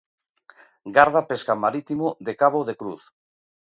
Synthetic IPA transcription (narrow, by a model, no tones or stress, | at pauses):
ɡaɾð̞apeskamaɾit̪imʊd̪ekaβoðekɾuθ